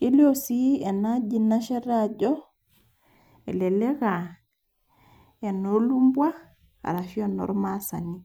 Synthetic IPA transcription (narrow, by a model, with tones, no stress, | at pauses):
ke˦liosi˦e˨naɟina˦ʃe˦ɾaɟo˦ | ḛ˨le˨le˦ka | e˨nolu˦mbwa˦x | a̰˨ɾafi˦ono̰˨ɾma˦sa̰ni